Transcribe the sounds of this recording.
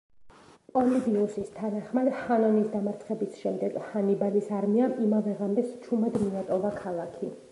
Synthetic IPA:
pʼɔlid̪iusist̪ʰanaχmad̪hanɔnisd̪amaɾt̪sʰχɛbisʃɛmd̪ɛɡhanibalisaɾmiaʔimavɛʁamɛst͡ʃʰumad̪miat̪ʼɔvakʰalˠakʰi

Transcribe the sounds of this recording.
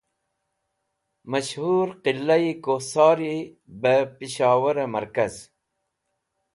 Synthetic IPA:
mɐɕhuːɾqilːɐikosɑːɾi | bəpiɕɑːwɐɾemɐɾkɐz

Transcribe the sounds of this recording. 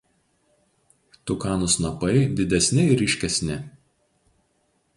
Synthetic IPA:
t̪ʊkɑːnʊsnɐpɐɪd̪ʲɪd̪ʲɛsʲnʲɪɪɾʲɪʃʲkʲɛsʲnʲɪ

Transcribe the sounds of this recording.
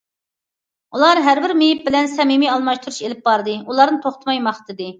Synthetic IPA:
ulˠɑɾɦæɾbɪɾmejip̚bɪlɛnsɛmimiɑlˠmɑʃt̪uɾuʃelɪp̚bɑɾd̪ɨulˠɑɾnɨt̪ʰoχt̪ʰɨmɑjmɑχt̪ʰɨd̪ɨ

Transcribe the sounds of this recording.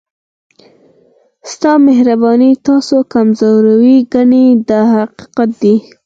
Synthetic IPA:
st̪ɑmeɦɾabɑnit̪ɑsokamzoɾawiɡaɳed̪əhaqi̥qat̪̚d̪i

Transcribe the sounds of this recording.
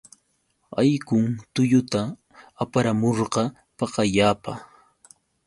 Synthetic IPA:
a̰jkʊŋt̪ʊʎʊt̪aː | paɾamoɾɢɑ | pɑqaʎaːpa̰

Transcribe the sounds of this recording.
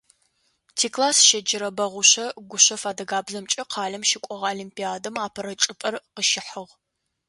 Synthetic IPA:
tʰiːkʰlaːsʃɐd͡ʒɪɾɐbɐʁʷʊɕɐɡʷʊɕɐfaːdɐɡaːbzɐmt͡ʃʼɐqʰɑːɮɐmʃɪkʷʼɔʁoːlimpiaːdɐmaːpʰɐɾɐt͡ʃʼɪpʼɐrqəʃɪħəʁ

